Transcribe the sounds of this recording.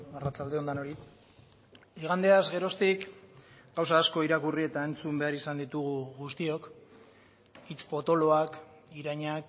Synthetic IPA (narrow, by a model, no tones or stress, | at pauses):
arat͡sald̪e̞o̞nd̪ano̞ɾi | iɣ̞and̪e̞azɣe̞ɾo̞st̪ikɡawsaːsko̞iɾakurie̞t̪ae̞nt͡sumbe̞aɾisand̪it̪uɣuɣust̪io̞k | it͡spo̞t̪o̞lo̞ak | iɾaɲak